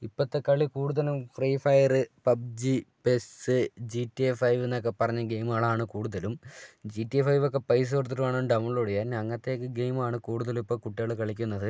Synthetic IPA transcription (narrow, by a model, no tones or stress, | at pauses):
ipːɐt̪ːekɐɭːikuːɽuðɐlumfrifɐjɐrɨpɐb̚d͡ʑipesɨd͡ʑitːiefɐjʋenːokːepɐrɐɲːɐɡejmaːɭaːɳɨkuːɽuðɐlumd͡ʑitːiefɐjʋo̞k̬ːe̞pɐjs̬ort̪̬ːɐɾumaːɳoɳɖɐmuɭoːɽejaːnɐŋːɐt̪ːe̞kːɨɡejmaːɳɨkuːɽuðɐlumipːokuʈːeɭɨkɐɭikʲːunːɐðɨ